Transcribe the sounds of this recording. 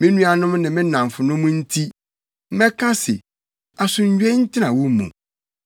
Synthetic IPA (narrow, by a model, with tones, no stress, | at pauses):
mɪ̃˦nũ˦a˨nʊ̃˦mnɪ̃˨mɪ̃˦nã˨m˨fʊ˨nʊ̃˦mʊ̃˦n̩˦tʰi˦ | mɛ˦kʰã˦sɪ̰˨ | a˨sʊ˨ɲ̩˨˦ɥᶣɛ˦n̩˦tʰɪ˦nã˨wʊ˦mṵ̃˨